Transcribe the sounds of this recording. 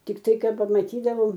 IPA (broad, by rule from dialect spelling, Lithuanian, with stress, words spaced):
tʲɪkˈtɐɪ ˈkɐt pɐmɐtʲiːˈdɑːʋoːm